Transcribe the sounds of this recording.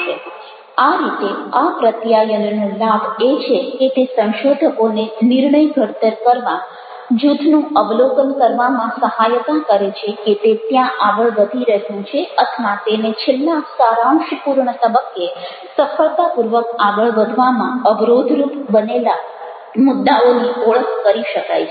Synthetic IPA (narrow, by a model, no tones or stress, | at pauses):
e | aɾit̪eapɾət̪jajənnũlabet͡ʃʰeket̪esə̃wʃod̪ʱəkoneniɾɳəjɡʱəɽt̪əɾkəɾʋã | d͡ʒud̪ʱnũəʋlokənkəɾʋamãsəɦajt̪akəɾet͡ʃʰeket̪et̪jãʔaɡəɭʋəd̪ʱiɾəɦjũt͡ʃʰeət̪ʰʋat̪enet͡ʃʰelːãsaɾamʃpuɾɳət̪əbəkːe | səfəɭt̪apuɾʋək̚aɡəɭʋəd̪ʱʋamãəbɾod̪ʱɾupbənela | mʊd̪ːaoniɔɭəkkəɾiʃəka̰jt͡ʃʰ